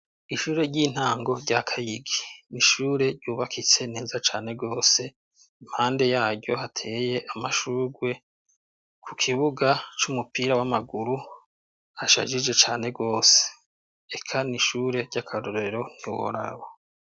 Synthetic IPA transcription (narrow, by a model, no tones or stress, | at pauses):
iʃuːɾe̞ɾɟiːn̥aːŋɡo̞ɾɟakʰajiɡiniʃuːɾe̞ɾɟuːβakʰit͡se̞ne̞ːzat͡ʃaːne̞ɡo̞ːse̞ | im̥haːnde̞jaːɾɟo̞hatʰe̞ːje̞ʔamaʃuːɡwe̞ | kʰukʰiβuɡat͡ʃumupiːɾawamaɡuɾu | haʃa̰ʒid͡ʒe̞t͡ʃaːne̞ɡo̞ːse̥ | ekʰaniʃuːɾe̞ɾɟ̥akʰaɾoɾe̞ɾo̞n̥iwo̰ɾa̰wo